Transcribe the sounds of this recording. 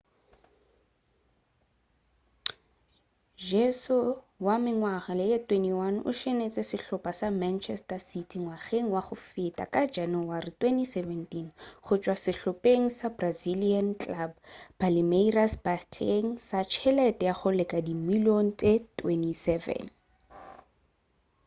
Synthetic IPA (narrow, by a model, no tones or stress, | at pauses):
d͡ʒɛsʊ | wamɪŋwaχalɪetʰweniwanʊ̰ʃenet͡sʼɛsɪɬʊpʼasamant͡ʃʰɛstasitʰiŋwaχeŋ̩waχʊfɪtʼa̰kʼad͡ʒanʊwarɪtwɛntisɛvɛntʼinχʊt͡ʃʼwasɪɬʊpʼeŋ̩sabraziliant͡ɬʼlabbalɪmeirasbakʰeŋ̩sat͡ʃʰɛlɛtʼɛjaχʊlɪkʼadimilon̩tʼetʰwɛnisɛvɛ̰n